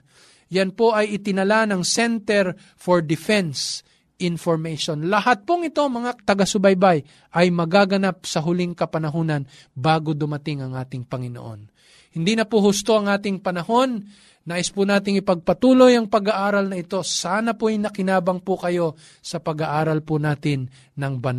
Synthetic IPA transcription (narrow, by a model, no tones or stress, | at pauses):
jɐnpoʔɐjɪt̪ɪnɐlanɐŋsɛnt̪ɛɾ | foɹd̪ɪfɛns | ʔɪnfoɹmɛjʃonlɐhat̪̚poŋɪt̪o̞mɐŋat̪ɐɡasʊbajbaj | ʔɐjmɐɡaːɡɐnap̚sɐɦʊlɪŋkɐpɐnɐɦoːnɐn | baːɡod̪ʊmɐt̪ɪŋɐŋʔaːt̪ɪŋpɐŋɪno̰ʔo̞̰n | hɪnd̪inɐpʊhʊst̪o̞ʔɐŋʔaːt̪ɪŋpɐnɐho̞nː | aːʔɪspʊnaːt̪̬ɪŋɪpɐɡ̚pɐt̪uːlo̞jɐŋpɐɡɐʔaːɾɐlnɐʔɪt̪o̞saːnɐpʊɐjnɐkɪnaːbɐŋpʊkɐjo̞ | sɐpɐɡɐʔaːɾɐlpʊnaːt̪ɪnː | ɐŋbɐn